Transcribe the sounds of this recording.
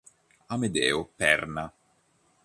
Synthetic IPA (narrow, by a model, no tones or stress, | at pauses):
amed̪ɛːopɛrna